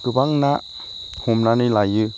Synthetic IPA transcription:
kɯbaŋnaʔ | humnanilajjɯ

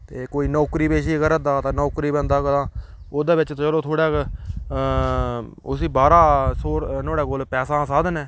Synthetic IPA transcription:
t̪eːkoːiːnɔːkɾiːbeːʃ̬iːkəɾəd̪aːt̪ãːnɔːkɾiːbə̃nd̪aːkəlãː | oːd̪aːbɪt͡ʃt̪t͡ʃəloːt̪ʰoːɽaːk | ʊsiːbaːɾaːsoːɾnoːɽaːkolpɛːsãːsaːd̪nɛː

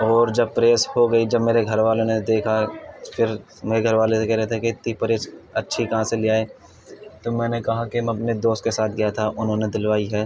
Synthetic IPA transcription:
ɔːɾd͡ʒɐb̚pɾeːshoɡɐid͡ʒɐbmeːɾeɡʱɐɾʋaːlõned̪eːkʰafʰɪɾ | meːɾeɡʱɐɾʋaːlesekɛɦɾɛɦt̪ʰeket̪ipɾeːsɐtːʃʰikɐɦãseliaːe | t̪omɛ̃ːnekɐɦakemɛ̃ɐpned̪oːst̪kesaːt̪ʰɡijat̪ʰaʔʊnɦõːned̪ɪlʋaːiɦɛː

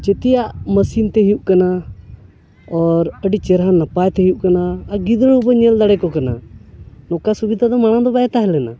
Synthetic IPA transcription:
t͡ʃɛt̪ijaʔməsint̪ɛɦijuʔkana | ɔɾəɖit͡ʃɛɾɦanapajt̪ɛɦjuʔkanaːɡid̪əɽɦubəɲɛld̪aɽɛkɔkana̰ | nɔkasubid̪ʱad̪ɔmaɽ̃ad̪ɔbaɛt̪aɦɛlɛna̰

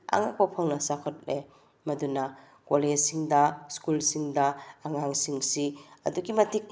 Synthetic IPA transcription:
a̰ŋak̚pɐpʰɐŋnɐsakʰɔt̚le | mɐdunɐ | ɡolesiŋdɐskulsiŋdaːŋaŋsiŋsiɐ̰duɡimɐtʰik̚

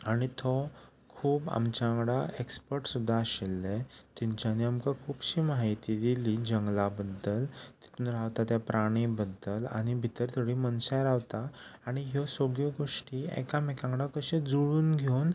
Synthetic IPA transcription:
aɽ̃it̪ʰɔ | kʰuːpa̰mt͡ɕaŋɡɽaekspəɾʈsud̪ʱːaɕelːet̪iɲt͡ɕaniamkakʰuːbɕiːmaɦit̪id̪iliːd͡ʑəŋɡlabəd̪əlt̪i̥t̪ʰuːnɾaʋt̪at̪japɾaɽ̃ibəd̪əla̰ɽ̃ibʱit̪əɾt̪əɽiːmənsajɾaʋt̪aːɽ̃iɦɔsoɡjəɡoʂʈiːɛ̰kamekãŋɡɽakəɕẽd͡zuɭuːnɡʱown

